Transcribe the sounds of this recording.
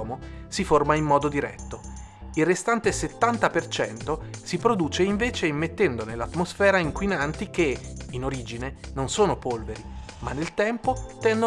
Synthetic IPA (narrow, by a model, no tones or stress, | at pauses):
mosiformaimːɔːd̪od̪iɾɛt̪ːo | ilrːest̪ant̪eset̪ːant̪apert͡ʃɛnt̪osipɾod̪uːt͡ʃeiɱveːt͡ʃeimːet̪ːɛnd̪onelːat̪ːmosfɛːɾaiŋkwinant̪ik̟einoɾiːd͡ʒinenonsoːnopolveɾi | manːelt̪ɛmpot̪ɛnd̪o